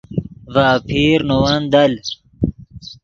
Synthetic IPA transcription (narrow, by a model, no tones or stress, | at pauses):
vaːpʰiːɾnowɐnd̪ɐl